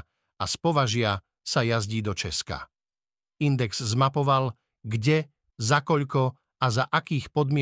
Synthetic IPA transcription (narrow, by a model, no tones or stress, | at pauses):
aspɔʋaʒɪa | sajazɟiːd̪ɔt͡ʃɛska̰ | ind̪ɛɡz̥zmapɔʋal | ɡɟɛ | zakɔʎkɔ | azaʔakiːxpɔd̪mɪɛ